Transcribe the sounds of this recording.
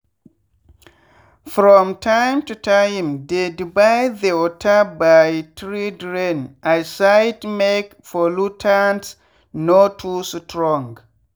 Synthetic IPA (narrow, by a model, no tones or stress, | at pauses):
fɹɔ̃mtʰãjmtutʰajmdɛdbajðiɔtʰabajtɹidɹẽnʔajsajtmek | fɔlutʰans | notʰustʰɹɔ̃ŋɡ